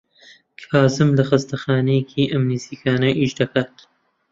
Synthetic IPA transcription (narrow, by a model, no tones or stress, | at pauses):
kʰaːzɨmlɐxɐst̪ɐxaːnejekʰiːʔɐmniziːkʰaːnɐʔiːʃd̪ɐkʰaːt̪